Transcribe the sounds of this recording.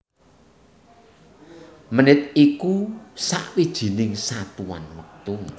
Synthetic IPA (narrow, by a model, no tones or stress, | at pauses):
mənɪt̪̚ikusa̰ʔwid̥ʒ̥i̤nɪŋsat̪uwa̰nwək̚t̪u